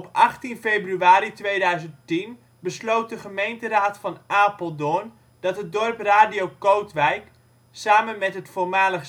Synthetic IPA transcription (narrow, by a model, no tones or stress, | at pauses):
ɔpʔɑχtinfejbryaːɾitʋejdœɥzənttin | bəslowt̚dəχəmejntəraːtfɑnʔaːpəlˠdʊn | d̥ɑtɦət̚dɔrpraːdiowkowtʋɛjk | saːmənmɛtɦətformaːləχ